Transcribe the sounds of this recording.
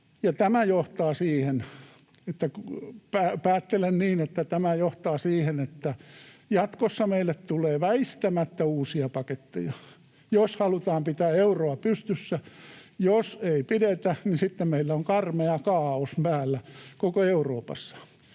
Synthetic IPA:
jɑt̪æmæjoht̪ɑːsiːhen | et̪ːækupæːpæːt̪ːelenniːnet̪ːæt̪æmæjoht̪ɑːsiːhenet̪ːæjɑt̪kosːɑmeilːˑet̪t̪uleːʋæist̪æmæt̪ːæuːsiɑpɑket̪ːejɑ | joshɑlut̪ɑːmpit̪æːeuroɑpyst̪ysːæjoseipiɾet̪æninsit̪ːemmeilːæoŋkɑrmeɑkɑːosmpæːlːækokoeuroːpɑ̰sːɑ̥

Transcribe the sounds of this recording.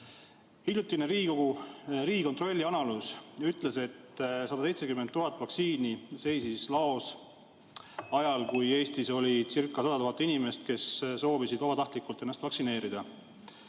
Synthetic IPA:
hilʲjut̪ːˑineɾiːkoɡuɾiːko̞nt̪ro̞lʲːiɑnɑluːsyt̪ːˑle̞se̞t̪ːsɑd̪̥ɑsej̪sekymːent̪ːuɦɑt̪ːˑvɑksiːnise̞jsislɑo̞s | ɑjɑlkuje̞ːst̪iso̞lʲisirkːˑɑsɑd̪̥ɑt̪uɦɑt̪ːinime̞st̪̚ke̞sso̞ːvisid̪ɑbɑt̪ɑht̪likːˑult̪ːˑenːɑst̪vɑksine̞ːɾid̪̥ɑ

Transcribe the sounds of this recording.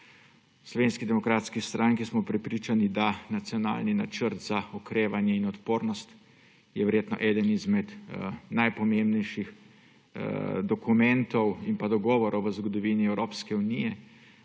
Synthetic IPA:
slɔʋeːnskid̪ɛmɔkɾaːt̪skist̪ɾʔaŋkismɔpɾɛpɾiːt͡ʃanid̪anat̪sijɔna̰ːlninat͡ʃəɾt̪zaɔkɾeːʋanjɛinɔt̪poːɾnɔst̪ | jɛʋɛɾjeːt̪nɔ̰ʔɛːd̪ənizmɛt̪najpɔmembnɛjʃix | d̪ɔkumɛnt̪ɔwimpad̪ɔɡɔːʋɔɾɔwʋəzɡɔd̪ɔʋiniɛwɾoːpskɛunijɛ

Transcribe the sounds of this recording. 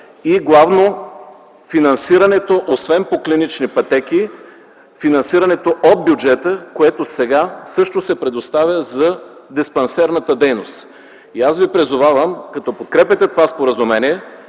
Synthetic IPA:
iɡlˠavno | finɐnsiɾɐnɛt̪oʔosvɛnpoklinit͡ʃnipɐt̪ɛkʲi | finɐnsiɾɐnɛt̪oʔod̪̚bʲjʊd͡ʒɛt̪əkoɛt̪osɛɡasɤʃt̪osɛpɾɛd̪ost̪avʲəzɐd̪ɛspɐnsɛɾnət̪əd̪ɛjnost̪ | iasvipɾizʊvavəmkɐt̪ɔpot̪̚kɾɛpʲɛt̪ɛt̪ovaspoɾəzʊmɛnʲiɛ

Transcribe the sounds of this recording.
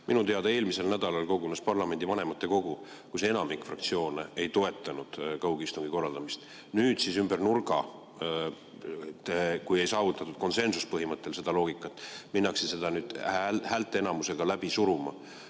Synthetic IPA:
minut̪e̞ɑd̪̥ee̞ːlmise̞lnæd̪̥ɑlɑlko̞ɡunespɑrlɑme̞nd̪̥ivɑne̞mɑt̪ˑːe̞ko̞ɡ̥u | kuse̞nɑmikˑfrɑ̰kt̪sio̞ːneejt̪o̞e̞t̪ːˑɑnud̪̥kɑwɡist̪uŋɡ̥iko̞rːɑld̪ɑmist̪ | nyːd̪̥sisymb̥ernurɡ̥ɑ̰ | t̪ekuje̞jsɑːvut̪ːˑɑt̪ːˑud̥̪̚ko̞nse̞nsuspɤɦimɤt̪ːe̞lse̞d̪ɑlo̞ːɡ̥ikːˑɑt̪ːˑminːɑksese̞d̪ɑnyːd̪̥hæːlt̪ːˑeenɑmuse̞ɡ̥ɑlæb̥isuɾumɑ̰

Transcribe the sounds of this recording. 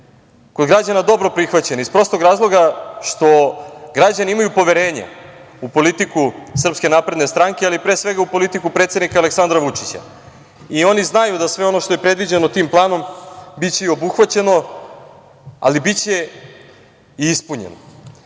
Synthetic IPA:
ko̞d̪ɡɾad͡ʑanad̪o̞bɾo̞pɾixʋat͡ɕe̞nispɾo̞ːst̪o̞ɡɾaːzlˠo̞ɡaʃt̪o̞ɡɾad͡ʑaniimajupo̞ʋeɾe̞ːɲa̰ | upo̞lit̪ikusr̩pske̞naːpɾe̞d̪ne̞st̪ɾaŋke̞alipɾeːsʋe̞ɡaupo̞lit̪ikupɾet̪sed̪nikaleksand̪ɾaʋut͡ʂit͡ɕa̰ | io̞niznajud̪asʋe̞o̞no̞ʃt̪o̞jepɾe̞d̪ʋid͡ʑenot̪iːmplˠaːno̞mbit͡ɕe̞io̞buxʋat͡ɕe̞no̞ | a̰libit͡ɕe̞ | iispuɲḛno

